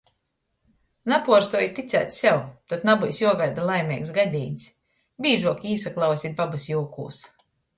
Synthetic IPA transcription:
napuɔɾst̪uɔjt̪it̪sæ̰ːt̪sʲsʲɛwt̪ɔt̪nabujsjuɔɡajd̪alˠajmʲɛksɡad̪ʲiːnʲsʲ | bʲiːʒuɔkiːsaklˠawsʲit̪̚babɨsjuːkṵːs

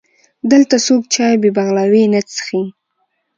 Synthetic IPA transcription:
d̪əlt̪asok̚t͡ʃɑjbebaɣlawenət͡sə̥xi

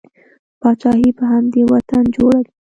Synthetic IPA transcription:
pɑt͡ʃɑhipəɦamd̪ewat̪and͡ʒoɽawi

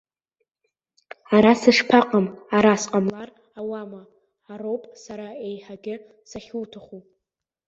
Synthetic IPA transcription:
aɾasɨʂpʰaqʼamaɾasqʼamlar | awamaː | ɾowpʼsaɾaejħaɡʲɪ | saχʲuːtʰaχupʼ

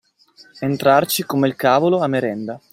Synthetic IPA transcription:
ent̪ɾart͡ʃikomeilkaːvoloamːeɾɛnd̪a

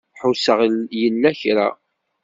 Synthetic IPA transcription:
ħʊsəʁljənːæçɾa̰

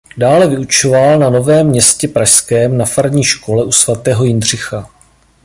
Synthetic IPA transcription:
daːlɛvɪut͡ʃo̞valnano̞vɛːmːɲɛscɛpɾaʃskɛːmnafaɾɲiːʃko̞lɛʔusvat̪ɛːɦo̞jɪndr̝ɪxa

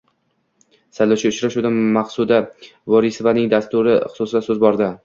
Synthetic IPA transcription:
salːat͡ʃʰaʊt͡ʃɾaʃud̪anmaqsud̪a | vɒɾisɪvanɪŋd̪ast̪ʊɾɪχʊ̥sʊsd̪asɵzbɒɾd̪ɪ

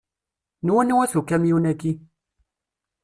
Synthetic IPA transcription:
niwɔniwasokɛmiunɛki

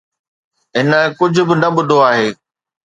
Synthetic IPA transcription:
ɦɪnə̆kʊd͡ʑʱʊ̆bɪnɐɓʊd̪ʱoaːɦeː

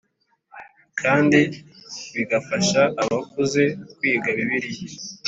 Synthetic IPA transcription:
kʰaːndiβiɡafaʃaʔaβakuze̞kwiːɡaβiβiɾije

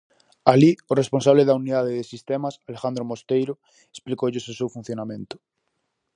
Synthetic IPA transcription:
alioresponsaβ̞leðauniðaðeðesist̪emasalexãnd̪ɾomost̪ejɾo | esplikoʎesosewfun̟θjonamẽnt̪ʊ̥

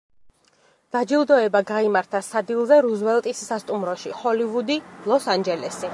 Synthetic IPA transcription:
d̪̥ad͡ʒilˠd̪ɔɛbaɡaimaɾt̪ʰasad̪ilˠzɛɾuzvɛlˠt̪ʼisːast̪ʼumɾɔʃiχɔlivud̪ilˠɔsand͡ʒɛlɛsi

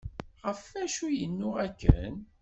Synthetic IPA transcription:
ʁəfæʃujənːʊækːə̰n

